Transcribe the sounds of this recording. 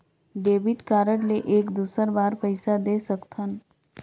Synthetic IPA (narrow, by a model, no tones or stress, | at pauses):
ɖebiʈkaɾəʈleʔeːkd̪usəɾbaɾpəɪsad̪esəkt̪ʰən